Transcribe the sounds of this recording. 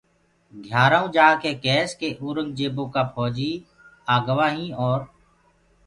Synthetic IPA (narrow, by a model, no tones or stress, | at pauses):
ɡʱjaːɾãːũːd͡ʒaːkeːkeːskeːʔuːɾəŋɡ̚d͡ʒeːbõːkaːpʰɔːd͡ʒiː | aːɡəʋaːɦĩːɔːɾ